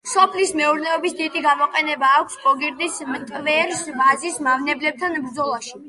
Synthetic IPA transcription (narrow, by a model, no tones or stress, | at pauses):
sɔpʰlismɛuɾnɛɔbisd̪id̪iɡamɔqʼɛnɛbaːkʷʰsɡɔɡiɾd̪ismt̪ʼvɛɾsbazismavnɛblɛb̚t̪ʰanbɾd̪zɔlˠaʃi̥